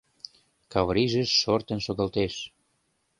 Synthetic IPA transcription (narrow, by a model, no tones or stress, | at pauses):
kɑβɾiʒəʃːort̪ə̆nʃoɣɑlt̪eʃ